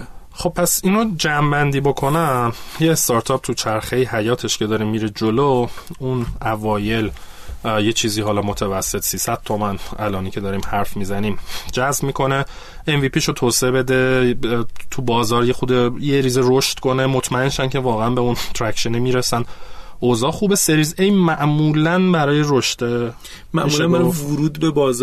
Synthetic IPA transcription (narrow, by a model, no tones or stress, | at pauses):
χo̞b̚pʰːæsiːnod͡ʒæmbænd̪iːbo̞kʰo̞næjeːst̪ɒɾt̪ʰɒːp̚t̪ʰut͡ʃʰæɾxe̞jɦæjɒːt̪ʰe̞ʃcʰe̞d̪ɒːɾiːmːiɾid͡ʒolounʔævɒːje̞l | jet͡ʃʰiːziːɦɒːlɒmot̪ʰævæsːe̞t̪siːsæd̪̥̚t̪ʰo̞mænʔælɒːniːcʰe̞d̪ɒːɾiːmhæɾfmiːzæniːmd͡ʒæzbmiːkʰo̞ne | envipʰiːʃot̪ʰoːseebe̞d̪e | t̪ʰubɒːzɒːɾjexud̪ejeɾiːzeɾoʃt̪kʰo̞nemot̪ʰmæe̞nʃæncʰe̞vɒːɣeænbeunt̪ʰɾæcʃenimiɾesænd̪ʔozɒːxuːbese̞ɾiːzejmæʔmuːlænbæɾɒːjeɾoʃt̪e | mæ̰ʔimuːlʃænɡbæɾvʊɾuːd̪bebɒːz